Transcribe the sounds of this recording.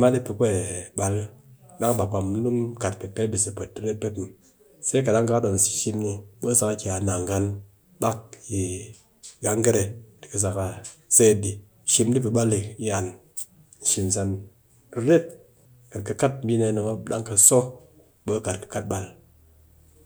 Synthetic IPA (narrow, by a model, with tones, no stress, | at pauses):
ma˦di˦pe˧kʷe˦e˨ɓa˧lɗa˦ŋ˦ɓa˨ɡ͡ba˨m̩˦nu˦mka˨t̚pi˨pe˦bi˨si˨pe˨t̚ːi˦ɾe˦t̚pe˦tm | se˦ka˨da˦ŋka˦do˨n̩˨si̥˨ʃi˧mni˧ɓo˦sa˧ka˦kʲi˨a˨na˨ŋɡa˦n | ɓa˦k̚ji˨ | ɡa˦ŋ˦ɡe˦ɾe˧di̥˨kɨ˧s̬a˨ka˧˨se˦˨di˨ | ʃi˧mdi˦p̬i˧ɓa˦li˨i˦a˨n | n̩˨ʃi˨n˨s̬a˧n | i˦ɾe˦t̚ | ka˨t̚kɨ˧ka˦t̚m˦bʲi˦ne˧˦no˨ŋo˦ɗa̰˦ŋka˧so˦ | ɓo˦ka˨tkɨ̥˨ka˦t̚ɓa˨l